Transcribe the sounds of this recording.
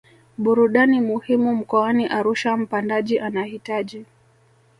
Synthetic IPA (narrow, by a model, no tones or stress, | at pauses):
ɓuɾuɗanimuhimum̩kɔaniʔaɾuʃam̩pandaʄiʔanahitaʄi